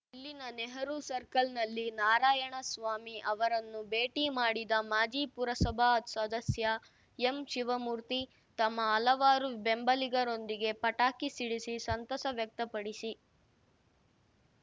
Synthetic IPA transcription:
ilːinɐnɛɦɐɾusɐɾkɐlnɐlːinaːɾaːjɐɳɐsʋaːmiʔɐʋɐɾɐnːubeːʈiːmaːɽid̪ɐmaːd͡ʒiːpuɾɐsɐbʱaɐt̪sɐd̪ɐsjɐ | emʃiʋɐmuːɾt̪i | t̪ɐmːɐːlɐʋaːɾubembɐliɡɐɾo̞nd̪iɡe̞pɐʈaːkisiɽisisɐnt̪ɐsɐʋjɐk̚t̪ɐpɐɽisi

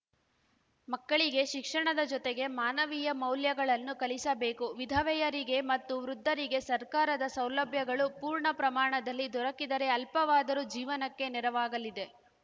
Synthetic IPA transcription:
mɐkːɐɭiɡe̞ʃikʂɐɳɐd̪ɐd͡ʒɔt̪eɡe̞maːnɐʋijɐmɐwljɐɡɐɭɐnːukɐɭisɐbe̞ːkuʋid̪ʱɐʋɛjɐɾiɡe̞mɐt̪ːuʋɾud̪ʱːɐɾiɡe̞sɐɾkaːɾɐd̪ɐsɐwlɐbʱjɐɡɐɭupuːɾɳɐpɾɐmaːɳɐd̪ɐlːid̪ɔɾɐkid̪ɐɾe̞ɐlpɐʋaːd̪ɐɾud͡ʒiːʋɐnɐkːe̞nɛɾɐʋaːɡɐlid̪e̞

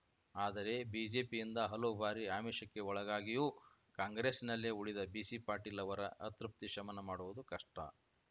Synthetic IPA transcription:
aːd̪ɐɾe̞biːd͡ʒe̞ːpijind̪ɐɦɐloːbʱaːɾiaːmiːʂɐkːe̞ɔɭɐɡaːɡijuː | kaːŋɡɾe̞ːsnɐlːeuɭid̪ɐbiːsipaːɾʈiːlɐʋɐɾɐ̰ʔɐt̪ɾup̚t̪iʃʂɐmɐnɐmaːɽuʋud̪ukɐʂʈɐ̰

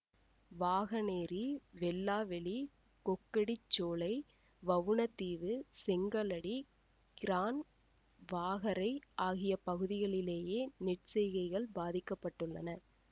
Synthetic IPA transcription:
ʋaːɣɐneːɾiʋɛlːaːʋɛɭi | kɔkːɐɽit͡ʃːoːɭɐɪ | ʋɐʋɯɳɐt̪ːiːʋɯsɛŋɡɐlɐɽi | ɡ̥ɪɾaːn | ʋaːɣɐɾɐɪʔaːɣɪjɐpɐɣɯðɪɣɐɭɪleːjeːnɪʈsɛjɣɐɪɣɐɭbaːðɪkːɐpːɐʈːɯɭːɐnɐ

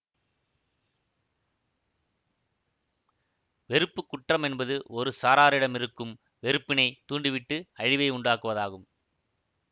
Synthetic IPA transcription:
ʋɛɾɯpːɯkːʊʈːrɐmɛnbɐðɯʔɔɾɯsaːɾaːɾɪɽɐmɪɾɯkːɯm | ʋɛɾɯpːɪnɐɪt̪uːɳɖɪʋɪʈːɯɐɻɪʋɐɪʊɳɖaːkɯʋɐðaːɣɯm

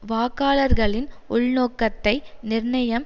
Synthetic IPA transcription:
ʋaːkaːlɐɾɣɐɭɪn | ʊɭnoːkːɐt̪ːɐɪnɪɾnɐjɐm

